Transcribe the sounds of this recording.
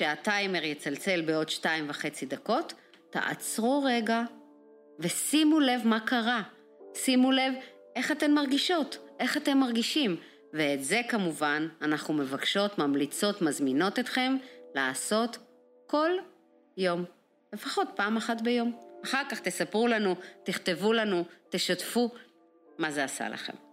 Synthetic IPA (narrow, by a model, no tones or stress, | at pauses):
ʃeatajme̞ʁjet͡salt͡se̞lbeo̞dʃtaimvaχe̞t͡sidako̞tː | a̰ʔa̰t͡sʁuʁeɡa | ve̞simule̞vmakaʁa | simule̞v | ʔe̞χate̞mːaʁɡiʃo̞tʔe̞χate̞mːaʁɡiʃim | veːtze̞kamuvananaχnume̞vakʃo̞tmamlit͡so̞tmazmino̞tet̪χe̞mlaːso̞t | ko̞l | jo̞m | le̞faχo̞t̚paːmaχatbe̞jo̞maχaʁkaχt̪esapʁulanut̪iχt̪e̞vulanuteʃatfu | maze̞asa̰lʔa̰χe̞̰m